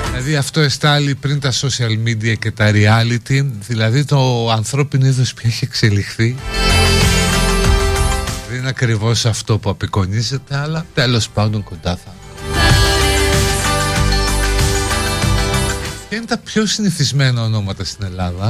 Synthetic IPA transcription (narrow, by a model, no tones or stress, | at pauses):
ðilɐðiɐft̪o̞e̞st̪ɐlipɾint̪ɐso̞siɐlmid̪iɐce̞t̪ɐɾiɐlit̪iðilɐðit̪o̞ɐnθɾo̞pino̞iðospçɐeçiekse̞lixθi | ðeninɐkɾivo̞sɐft̪o̞puɐpiko̞nize̞t̪eɐlɐt̪e̞lo̞spɐnd̪o̞ŋko̞nd̪ɐθɐ | pçɐine̞t̪ɐpço̞siniθizme̞nɐono̞mɐt̪ɐst̪ine̞lɐðɐ